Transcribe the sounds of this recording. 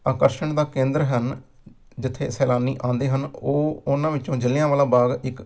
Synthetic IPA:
aːkəɾʃəɳd̪aːkẽːnd̪ɾɦən | d͡ʒɪt̪ʰːḛːsɛːlaːniːʔãːnd̪eːɦənoːʊnãːʋɪt͡ʃõːd͡ʒəlãːʋaːlaːbaːɡɪk

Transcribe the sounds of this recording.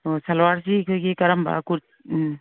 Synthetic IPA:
ɔsalwaɾsiːkʰojɡekɐɾamba̰kuɾ̚

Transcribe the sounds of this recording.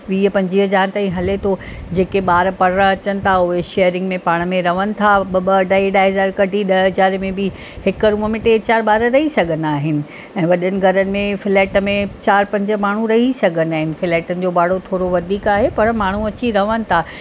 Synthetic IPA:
ʋiːəpɐ̃ɲd͡ʑiɦəd͡ʑaːñɪt̪aːĩɦɐlet̪ʰod͡ʑeːkeɓaːɾpɐɽ̤ɾə̃ɐt͡ɕənɪ̆t̪ʰaʊɦeʃejəɾɪ̃ŋɡmẽpaːɽ̃ə̆mẽɾɐʋənɪ̆t̪ʰaɓɐbəɖaiɗaɦɦzaːɾkɐɖʱiɗɐzaːɾmẽbɪ | hɪkəɾũːəmẽʈeːt͡ɕaːɾɓaːɾəɾɐɦisɐɡʱənaːɦɪnɪ̆ | ɛ̃ːʋɐɗənɪ̆ɡʱɐɾənɪ̆mẽfɪlɛːʈmẽt͡ɕaːɾpɐ̃ɲd͡ʑə̆maːɳ̤ũɾɐɦisɐɡʱənaːɦɪnɪ̆fɪleːʈənɪ̆d͡ʑoːbaːɽ̤ot̪ʰoːɾoʋɐd̪ʱiːkaːɦepɐɾmaːɳ̤uɐt͡ɕiɾɐʋənɪ̆t̪ʰa

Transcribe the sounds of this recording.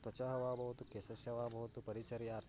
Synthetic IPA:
t̪wɐt͡ʃaɦɐʋaːbɐɦut̪ukeːsɐsjɐʋaːbʱɐɦut̪upɐɾit͡ʃɐɾiaːɾt̪ʰ

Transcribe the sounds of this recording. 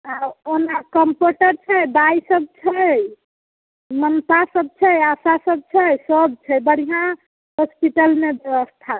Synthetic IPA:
aonakəmpoʈəɾt͡ʃʰəjd̪ajsəb̚t͡ʃʰəj | mənt̪asəb̚t͡ʃʰəjasasəb̚t͡ʃʰəjsəbt͡ʃʰəjbəɽ̤ijã | ɦospiʈəlmebjebəst̪ʰa

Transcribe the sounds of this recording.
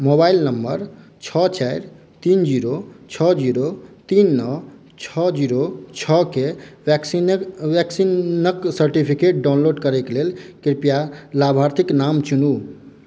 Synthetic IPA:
mobailnəmbəɾ | t͡ʃʰɔt͡ʃaɪɾ | t̪ind͡ʒiɾot͡ʃʰɔd͡ʒiɾot̪inːɔ | t͡ʃʰɔd͡ʒiɾot͡ʃʰɔkekʋɛksinəksəɾʈipʰikeʈ̚ɖaʊnloɖkəɾɛkelelkiɾpijalabʱaɾt̪ʰiknamt͡ʃunu

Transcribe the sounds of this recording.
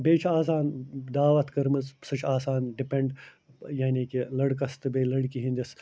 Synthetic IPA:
beːt͡ʃʰaːs̬aːnd̪aːʋɐt̪kɐɾmɨzsɐt͡ʃʰaːsaːnɖipeɳɖ | jaːnikilɐɽkɐst̪ɨbeːlɐɽkiɦĩnd̪is

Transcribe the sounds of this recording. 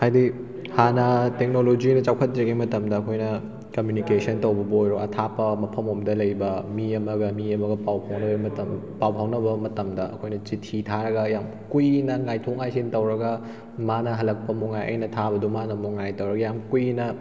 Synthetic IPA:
hajdi | hanɐtek̚nolod͡ʒinɐt͡ʃawkʰɐt̚ɾɐɡimɐtɐmdɐːkʰojnɐ | kɐmjunikesɐntɐwbɐbojɾoɐtʰapɐmɐpʰɐmomdɐlɐjbɐmiɐmɐɡɐmiɐmɐɡɐpawpʰawnɐbɐmɐtɐ | pawpʰawnɐbɐmɐtɐmdɐɐkʰojnɐt͡ʃitʰitʰaɾɐɡɐjam | kujnɐŋajtʰok̚ŋajsintɐwɾɐɡɐ | manɐɦɐlɐk̚pɐmoŋajʔɐ̰jnɐtʰabɐdumanɐmoŋajtɐwɾɐɡɐjamkujnɐ

